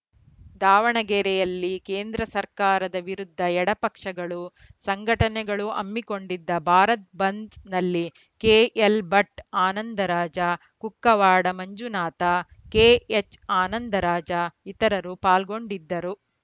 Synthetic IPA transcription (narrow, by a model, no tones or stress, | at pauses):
d̪aːʋɐɳɐɡɛɾɛjɐlːikeːnd̪ɾɐsɐɾkaːɾɐd̪ɐʋiɾud̪ʱːɐɛɽɐpɐkʂɐɡɐɭu | sɐŋɡʱɐʈɐnɛɡɐɭuɐ̰mːiko̞ɳɖid̪ːɐbʱaːɾɐt̪̚bɐnd̪nɐlːi | keːʔelbɐʈaːnɐnd̪ɐɾaːd͡ʒɐ | kukːɐʋaːɽɐmɐɲd͡ʒunaːt̪ɐ | keːet͡ʃaːnɐnd̪ɐɾaːd͡ʒɐit̪ɐɾɐɾupaːlɡo̞ɳɖid̪ːɐɾu